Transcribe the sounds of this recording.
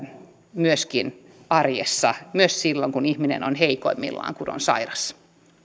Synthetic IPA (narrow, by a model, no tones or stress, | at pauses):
myøskin | ɑrjḛsːɑmyøssilːoŋkunihminḛno̰nheiko̰imːḭlːɑ̰ːŋkuno̰nsɑ̰irɑs